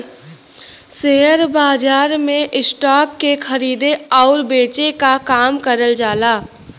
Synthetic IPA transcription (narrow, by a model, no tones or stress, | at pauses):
seɦəɾbaːd͡ʒaːɾmẽʔɪsʈɔːkːexʰɐɾiːd̪eɔːɾbeːt͡ʃekakaːmkəɾəld͡ʒaːlaː